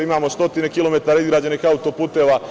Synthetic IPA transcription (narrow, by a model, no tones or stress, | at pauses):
imaːmo̞st̪o̞t̪ine̞kilo̞me̞t̪aːɾaizɡɾaːd͡ʑe̞niːxaut̪o̞puːt̪e̞ːʋaː